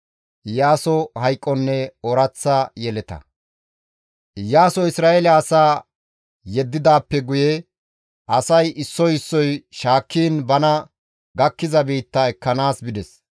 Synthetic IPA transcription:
ɪjaːsɔhɐjkʼːɔnːɛɔɾɐt͡sːɐjɛlɛt̪ɐ̰ | jaːsɔɪsɾaːʔelɐːsaː | jɛd̪ːɪd̪aːpːɛɡʊjɛ | ʔɐsɐjʔɪsːɔjɪsːɔjʃaːkʰːiːnbɐnɐ | ɡɐkːɪzɐbiːt̪ːɐɛkːɐnaːsbɪd̪ɛs

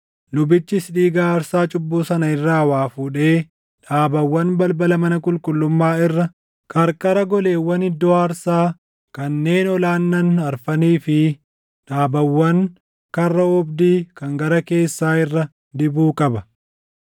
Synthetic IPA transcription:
lʊbɪt͡ʃːɪsᶑiːɡaːɾsaːt͡ʃʼʊbːuːsɐnɐɪrːaːwaːfuːᶑe̞ː | ᶑaːbɐwːɐnbɐlbɐlɐmɐnɐkʼʊlkʼʊlːʊmːaːɪrːɐ | kʼɐɾkʼɐɾɐɡɔle̞ːwːɐnɪd̪ːɔaːɾsaː | kɐnːe̞ːnɔlaːnːɐnɐɾfɐniːfɪ | ᶑaːbɐwːɐŋ | kɐrːɐɔbd̪iːkɐŋɡɐɾɐke̞ːsːaːɪrːɐ | d̪ɪbuːkʼɐbɐ

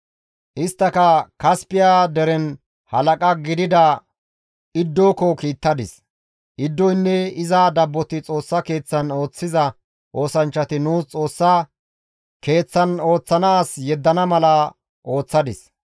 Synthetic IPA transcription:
ʔɪst̪ːɐkɐkɐspɪjaːd̪ɛɾɛn | hɐlɐkʼɐɡɪd̪ɪd̪ɐ | ɪd̪ːoːkɔkiːt̪ːɐd̪ɪs | ʔɪd̪ːɔjnːɛɪzad̪ɐbːɔt̪ɪt͡sʼo̞ːsːɐke̞ːt͡sːɐno̞ːt͡sːɪzɐ | ʔo̞ːsɐnt͡ʃːɐt̪ɪnuːst͡sʼo̞ːsːɐ | ke̞ːt͡sːɐno̞ːt͡sːɐnaːsjɛd̪ːɐnɐmɐlɐ | ʔo̞ːt͡sːɐd̪ɪs

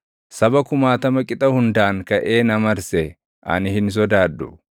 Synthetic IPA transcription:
sɐbɐkʊmaːt̪ɐmɐkʼɪt̪ʼɐhʊnd̪aːŋkɐʔeːnɐmɐɾsɛ | ʔɐ̰nɪhɪns̬ɔd̪aːd̪ːʊ

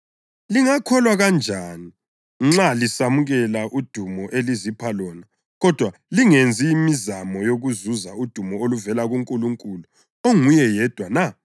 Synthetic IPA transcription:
liŋakʰɔlwaɣand͡ʒʱaːni | ŋ͡ǁalisamuɣɛlaʔud̥ʱumɔʔelizipʰalɔːna | ɣɔd̥ʱwaliŋend͡zʱiːmizamɔjoɣuzuzaud̥ʱumɔoluvɛlaɣuŋkʼuluŋkʼulu | oŋujɛjɛd̥ʱwana

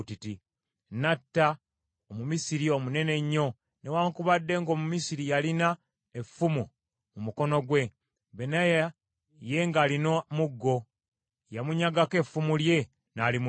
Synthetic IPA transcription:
titi | natːa | omumisiɾiomune̞ne̞ɲːo̞ | ne̞waːŋkuβadːe̞ŋɡo̞ːmumisiɾijalina | efːumu | mumuko̞no̞ɡwe̞ | βenaja | je̞ŋɡaːlinomuɡːo̞ | jamuɲaɡake̞fːumulje̞ | nalim

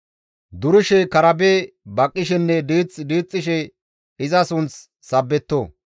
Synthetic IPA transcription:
d̪ʊɾɪʃɛkɐɾɐbeː | bɐkʼːɪʃ̬ɛnːɛd̪iːt͡sʼd̪iːt͡sʼːɪʃɛ | ɪzɐsʊnt͡s | sɐbːɛt̪ːoː

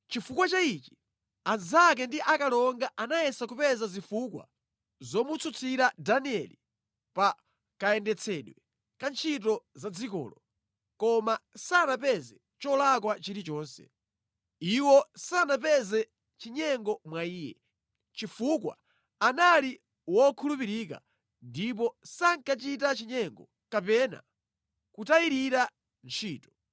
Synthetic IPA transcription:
t͡ʃifukwat͡ʃait͡ʃi̥ | azak̬ɛndiʔakalɔŋɡaʔanajɛsakupɛzazifukwa̰ | zɔmut͡sʰut͡sʰiɾadaniɛli | pa | kaɛndɛt͡sʰɛɗwɛ | kant͡ʃʰit̬ɔzad͡zikɔ̰ːlɔ | kɔmasanapɛzɛ | t͡ʃɔlakwat͡ʃiɾit͡ʃɔːnsɛ̰ | iwɔsanapɛzɛ | t͡ʃiɲɛŋɡɔmwaiːjɛ̰ | t͡ʃifukwa̰ | anali | wɔkʰulupiɾika̰ | ndipɔsaŋkat͡ʃitat͡ʃiɲɛŋɡɔ̰ | kapɛna̰ | kutajiɾiɾa | nt͡ʃʰiːtɔ̥

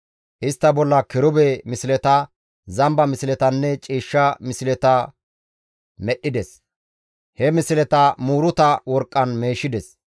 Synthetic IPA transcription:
ʔɪst̪ːɐbɔlːɐkɪɾʊbeːmɪsɪlɛt̪ɐ | zɐmbɐmɪsɪlɛt̪ɐnːɛt͡ʃʼiːʃːɐmɪsɪlɛt̪ɐ | mɛʔɪd̪ɛs | hɛmɪsɪlɛt̪ɐmuːɾʊt̪ɐwɔɾkʼːɐnme̞ːʃɪd̪ɛs

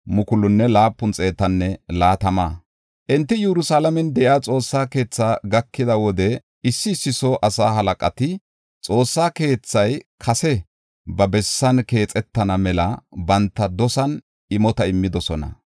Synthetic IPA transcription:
mʊkʊlʊnːɛlaːpːʊnt͡sʼe̞ːt̪ɐnːɛlaːt̪ɐmaː | ʔɪnt̪ːɪjɛɾʊsaːlɐmɛnd̪ɛʔɪaːt͡sʼo̞ːsːaːke̞ːt͡sːaːɡɐkːɪd̪ɐwɔd̪ɛ | ɪsːɪːsːɪsɔʔɐsaːɦɐlɐkʼɐt̪ɪ | t͡sʼo̞ːsːaːke̞ːt͡sːɐjkʰɐsɛ | bɐbɛsːɐnke̞ːt͡sʼɛt̪ːɐnɐmɛlɐbɐnt̪ːɐd̪ɔsɐn | ɪmɔt̪ɐɪmːɪd̪ɔsɔnɐ̰

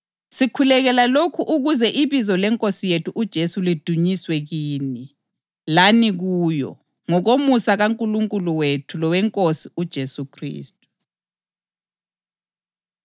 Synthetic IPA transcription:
sikʰulɛɣɛlalokʰuʔuɣuzɛʔiβizɔlɛŋkʼosijetʰuʔud̥ʒ̥ʱesulid̥ʱuɲiswɛɣiːni | laniɣuːjɔ̰ | ŋɔɣomusaɣaŋkʼuluŋkʼuluwetʰulɔwɛŋkʼosiud̥ʒ̥ʱesukʰrḭːstʼu̥

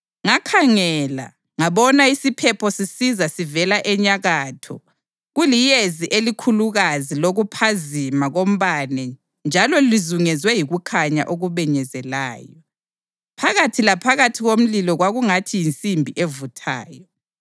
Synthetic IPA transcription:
ŋakʰaŋɛla̰ | ŋaβɔnaisipʰɛpʰɔsisizasivɛlaʔɛɲaɣaːtʰɔ̰ | ɣulijeziʔelikʰuluɣaziloɣupʰazimaɣom̩βanɛ | nd͡ʒʱalɔlizuŋɛzwɛjiɣukʰaɲa̰ʔoɣuβɛɲɛzɛla̰ːjɔ | pʰaɣatʰilapʰaɣatʰiɣom̩lilɔɣwaɣuŋatʰijint͡sʼimbʱiʔevutʰa̰ːjɔ

